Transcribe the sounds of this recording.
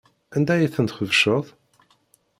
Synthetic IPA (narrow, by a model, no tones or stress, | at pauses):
ænd̪æjiθənt̪χəvʃəðˤ